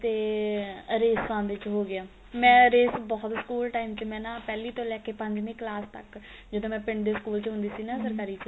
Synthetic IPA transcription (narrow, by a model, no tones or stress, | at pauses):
t̪eː | ɾeːsãːnd̪et͡ʃɦoːɡɪaː | mɛ̃ːɾeːsbɔːt̪skuːlʈaːiːmt͡ʃəmɛ̃ːnãːpɛːliːt̪õːlɛːkeːpə̃ɲd͡ʒneːklaːst̪ək | d͡ʒɪd̪õːmɛ̃ːpɪɳɖd̪eːskuːlt͡ʃɦʊ̃nd̪iːsiːnãːsəɾkaːɾiːt͡ʃə